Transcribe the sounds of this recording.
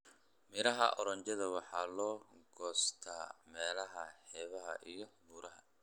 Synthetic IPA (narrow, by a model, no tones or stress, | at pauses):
mɪɾɐɦɐ̰ʔɔɾɐɲt͡ʃɐðɐwɑħɑːlɔːɡɔːst̪ʰaːmɛːlɐɦɐħɛːβɐɦɐ̰ʔijɔbuːɾɐɦɐ